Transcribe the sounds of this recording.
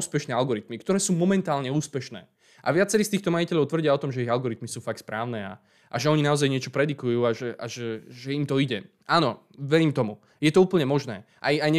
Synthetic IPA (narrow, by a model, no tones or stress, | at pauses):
uspɛʃnɛːalɡɔɾit̪mikt̪ɔɾɛːsuːmɔmɛnt̪aːlɲɛuːspɛʃnɛ̰ː | ʔa̰ʋɪat͡sɛɾiːst̪iːxt̪ɔmajicɛʎɔʊt̪ʋr̩ɟiaɔt̪ɔmʒɛiɣalɡɔɾit̪misuːfakspɾaːʊnɛːa̰ | ʔa̰ʒɛɔɲinaɔzajɲɪɛt͡ʃɔpɾɛd̪ikujuːaʒɛʔa̰ʒɛʒɛimt̪ɔiɟɛ | ʔaːnɔ | ʋɛɾiːmt̪ɔmu | jɛt̪ɔuːpl̩ɲɛmɔʒnɛː | ʔajajɲɛ